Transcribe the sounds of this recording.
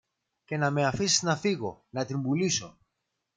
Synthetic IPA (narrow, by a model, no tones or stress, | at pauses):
ce̞nɐme̞ɐfisiznɐfiɣo̞̰nɐt̪imbuliso̞